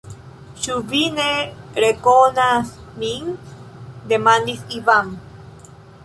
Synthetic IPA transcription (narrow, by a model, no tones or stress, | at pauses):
ʃuβineɾekonasmiŋ | d̪emand̪isiβam